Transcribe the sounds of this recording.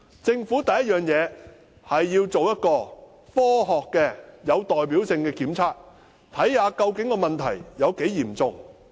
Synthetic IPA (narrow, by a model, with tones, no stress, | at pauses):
t͡sɪ˧ŋfuː˨˥t̪ɐ˨jɐ˥t̚jœː˨ŋjɛː˨˧ | hɐ˨jːiː˧wt͡so˨wjɐ˥t̚kɔː˧ | fɔː˥ɦɔː˨kːɛ˧jɐ˨˧wt̪ɔː˨jpiː˨˥wsɪ˧ŋkɛː˧kiː˨˥mt͡sʰaː˥k̚ | t̪ʰɐ˨˥jhaː˨˧kɐ˧wkɪ˨˥ŋkɔː˧mɐ˨nt̪ʰɐ̰˨˩jjɐ˨˧wke˨˥jjiː˨˩mt͡sʊ˨ŋ